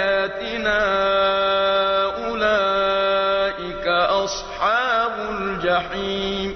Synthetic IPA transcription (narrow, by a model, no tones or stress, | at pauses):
aːt̪ɪnaː | ʔʊlaː | ʔɪkaʔɑsˤħɑːbʊld͡ʒaħiːm